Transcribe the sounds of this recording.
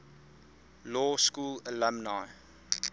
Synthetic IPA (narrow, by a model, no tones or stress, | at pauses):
lɔːskuːlələmnaj